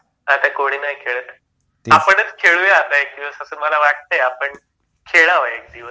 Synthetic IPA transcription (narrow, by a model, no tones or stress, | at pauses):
at̪akoɽ̃iːnajkʰeɭət̪ | apəɳət͡skʰeɭuːjeat̪aek̚d̪iʋəsəsəːməlaʋaɽ̚t̪əjapəɳ | kʰeɭaʋaek̚d̪iʋə